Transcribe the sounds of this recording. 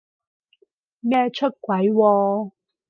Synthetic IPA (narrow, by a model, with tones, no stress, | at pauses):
mɛː˥˧t͡ʃʰɵ˥t̚kwɐ˨˦jwɔː˧